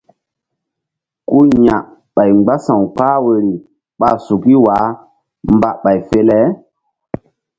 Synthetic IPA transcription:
ku˦ɲa˨ | ɓa˨jɡ͡ba˦sã˨wk͡paː˦we˨ɾi˨ | ɓa˨su˨ki˦waː˨˦ | mba˦˨ʔɓa˨jfe˦lɛ˦

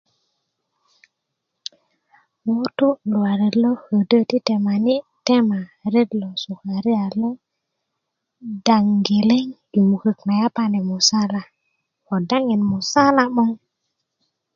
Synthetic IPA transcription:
wo˦tu˦lu˨wa˨ɾe˨lo˦hə˨də˦ti˦te˨ma˨ni˦te˦ma˨ɾe˦dlo˨su˨ha˨ɾi˦a˨lo˦ | da˨ŋɡe˨le˦ŋju˨mu˨kə˨kna˨ja˦pa˦ne˨mu˨sa˦la˨ | o˨da˦ŋi˨nmu˨sa˦la˦mo˦ŋ

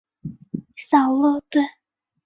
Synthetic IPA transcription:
sɑ˨˩ʊlo˥˧t̪we˥˩

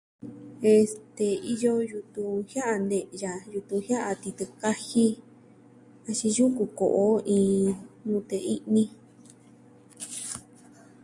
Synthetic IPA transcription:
e˧st̪e˧i˧jo˦ju˧t̪ũ˧hja˦ʔa˧nd̪ẽ˧ʔja˨ju˧t̪ũ˧hja˦ʔa˧t̪i˧t̪ɨ˧ka˦hi˦ | a˧t͡ʃĩ˧ju˦ku˧˨ko̰˨ʔo˦ʔĩː˧ɲũ˧t̪e˧i˦ʔnĩ˦

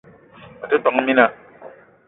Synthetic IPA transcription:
a˨te˦tɔ˨ŋ˦mi˦na˨

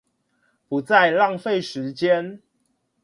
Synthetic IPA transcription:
pu˨˦t͡sa˥˨ɪlɑ˥˨ŋfe˥˨ɪʂɻ̩˨˦t͡ɕjɛ˦n

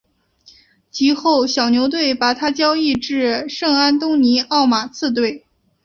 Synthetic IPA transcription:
t͡ɕi˧˥xo˥˩ʊɕjɑ˨˩ʊnjo˧˥ʊt̪we˥˩ɪpa˨˩t̪ʰa˥t͡ɕjɑ˥ʊi˥˧ʈ͡ʂɻ̩˥˧ʂɤ˥˧ŋa˥nt̪ʊ˥ŋni˧˥ɑ˥˩ʊma˨˩t͡sʰɹ̩˥˧t̪̬we˥˩ɪ

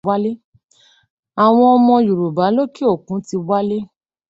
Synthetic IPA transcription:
wa˦le˦ | a˨w̃ɔ̃˧ɔ˧mɔ̃˧ju˨ɾo˨ba˨˦lo˦ki˦o˦˨kũ˨˦ti˧wa˦le˦

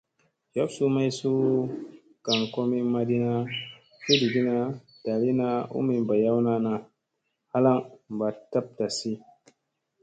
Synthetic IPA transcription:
jo˦wsu˦ma˦jsu˦ | ka˨ŋko˦mi˦ma˦di˦na˦ | ki˦di˨ɡi˦na˦ | d̥a˨li˦na˦ṵ˦mi˨m˨ba˨ja˦wna˦na˦ | ha˦la˦ŋm˨ba˨ta˦p̚ta˨si˦

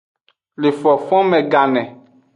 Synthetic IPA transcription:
le˨fɔ˨fɔ̃˦mɛ̃˨ɡa˨nɛ̃˨

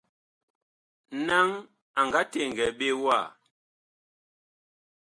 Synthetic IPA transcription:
na˦ŋ | a˨ŋɡa˨˦te˦˨ŋ˨ɡɛ˨ɓe˦wa˦˨

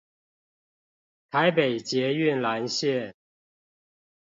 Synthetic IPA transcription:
t̪ʰa˧˦ɪpe˨˩ɪt͡ɕjɛ˧˥y˥˨nla˧˦nɕjɛ˥˨

